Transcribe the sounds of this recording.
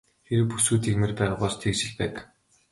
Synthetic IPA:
t̪ʰeɾɘ̆pu̥suːt̪iːkmĕrpæːʁaːpɔɮst̪ʰekt͡ɕɪ̆ɮpæːt̪̆

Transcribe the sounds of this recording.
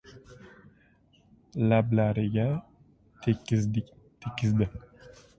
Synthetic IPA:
lablaɾɪɡʲa | t̪ʰ | t̪ʰekʰʲːɪzd̪ɪ

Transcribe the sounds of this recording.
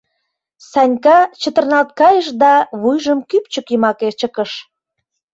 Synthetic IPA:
sɑnʲkɑt͡ɕət̪ə̆rnɑlt̪̚kɑjəʃd̪ɑβujʒəmkyp̚t͡ɕəkjəmɑket͡ɕəkəʃ

